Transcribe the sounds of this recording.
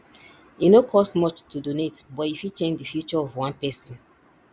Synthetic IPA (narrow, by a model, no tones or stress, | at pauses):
inokʰɔstmɔt͡ʃtʰudonetbɔtifit͡ʃẽnd͡ʒdifjut͡ʃɔɔvwãnpɛsɔ̃n